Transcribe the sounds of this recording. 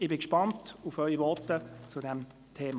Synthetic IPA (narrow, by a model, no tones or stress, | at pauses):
ɪbɪkʃpɑntufœʏivɔtət͡sudɛm | tʰeːm